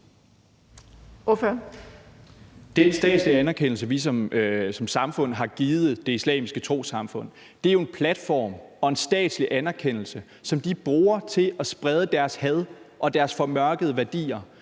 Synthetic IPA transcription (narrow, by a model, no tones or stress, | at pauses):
ofø | d̥ensd̥ɛ̰ːd̥sliænæɐkʰen̰l̩s̬əʋisɒ̽msɒ̽msɑ̈mfɔ̽n̰ɦɑ̈ɡ̥iːð̩ˠð̩ˠd̥e̝islɛ̰ːmisɡ̥ət͡sʰʁo̝̰ːsɑ̈mfɔ̽n̰ | d̥e̝æɐjo̝e̝npʰlæd̥fɒ̰ːmɒ̽e̝nsd̥ɛ̰ːd̥sliʔænæɐkʰen̰l̩sə | sɒ̽md̥ib̥ʁuːɐt͡sʰe̝ɒ̽sb̥ʁɛð̞ˠəd̥æɐshæð̞ˠʔɒ̽d̥æɐsfɒ̽mɶɐɡ̥əð̞̩ˠəʋæɐd̥ḭːɐ